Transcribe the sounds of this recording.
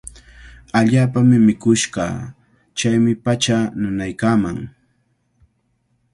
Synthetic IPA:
aʎaːpamɪmɪkʊʃɢɑ̰ː | t͡ʃajmɪpat͡ʃanʊnajkaːmaŋ

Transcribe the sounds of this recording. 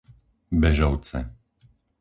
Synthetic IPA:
bɛʒɔʊt͡sɛ̰

